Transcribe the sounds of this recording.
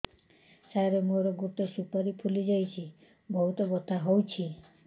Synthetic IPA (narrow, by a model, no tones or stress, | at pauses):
sajɾemuɾɔɡut̪ɔsupaɾipʰulid͡ʒajt͡ʃʰi | bɔɦut̪ɔɡɔt̪ʰaɦowt͡ʃʰi